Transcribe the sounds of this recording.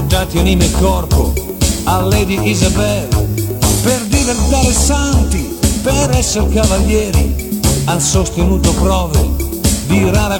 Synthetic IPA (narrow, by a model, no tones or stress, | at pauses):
d̪aːt̪ionimekɔrpo̰ | alːɛd̪iʔizabɛlperd̪ivert̪aːɾesant̪i | peɾɛsːeɾkavaʎjɛːɾḭansost̪enuːt̪opɾɔːvḛ | d̪iraːɾa